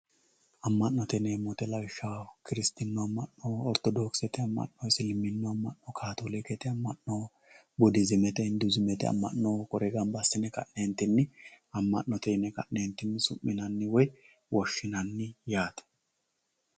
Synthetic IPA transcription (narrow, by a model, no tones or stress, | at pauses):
ʔɐmːɐnːɔt̪ɛneːmːɔt̪ɛlɐwɪʃːakɪɾɪst̪ɪnːɔɐmːɐnːoɔɾt̪ɔd̪oːksɛt̪ɛɐmːɐ̰nnɔsɪlmːɪnːɔɐmːɐʔnːɔkʰaːt̪olɪkɛt̪ɛɐmːɐnːo | bʊd̪ɪzɪmɛt̪ɛhɪnd̪ʊzɪmɛt̪ɛ̰ɐ̰mːɐ̰nːɔkɔɾɛɡɐmbɐsːɪnɛkɐ̰ʔneːnt̪ɪnːɪ | ɐmːɐ̰nːɔt̪ɛnɛkɐ̰ʔneːnt̪ːɪnːɪsʊmːɪnɐnːɪwɔj | wɔʃːɪnɐnːɪjaːt̪ɛ̥